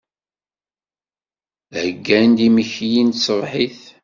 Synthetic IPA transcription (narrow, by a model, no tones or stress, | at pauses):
həɡːænd̪iməçjinsəvˤħiθ